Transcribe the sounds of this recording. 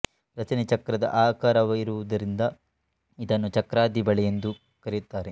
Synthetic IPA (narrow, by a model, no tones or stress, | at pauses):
ɾɐt͡ʃɐnit͡ʃɐkɾɐd̪ɐ̰ʔaːkaːɾɐʋɐiɾuʋud̪ɐɾind̪ɐ | id̪ɐnːut͡ʃɐkɾaːd̪ibɐɭɛjend̪u | kɐɾit̪ːaːɾe